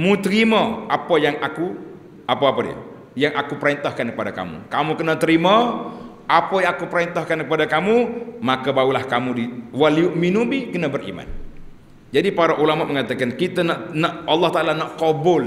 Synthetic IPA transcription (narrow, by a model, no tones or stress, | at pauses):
mut̪əɾiməapajaŋaku | apaapadḭə̰ | jaŋakupəɾɛnt̪ahkankəpadaka̰mṵkamukənat̪əɾima | ʔapajaŋakupəɾɛnt̪ahkankəpadakamumakabaulahkamudiwaliuʔminubikənabərḭma̰n | d͡ʒadipaɾaʔulamaʔməŋat̪akankit̪anaʔnaʔɑlːɑht̪aʔalanaʔkobʊl